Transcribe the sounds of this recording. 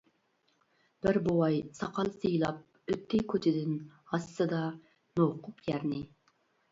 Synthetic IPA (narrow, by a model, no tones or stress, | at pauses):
b̥ɪɾbowɑjsɑqʰɑlˠsɨjlˠɑp̚ | øt̪ʰːɪkʲʰøt͡ʃ̪ʰɪd̪ɪnhɑsːɨd̪ɑ | noqʰʊpjæɾnɪ